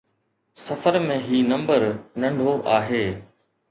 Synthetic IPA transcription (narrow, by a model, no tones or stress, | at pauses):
sɐfəɾmẽɦiːnɐ̃mbəɾnɐ̃ɳɖʱoʔaːɦeː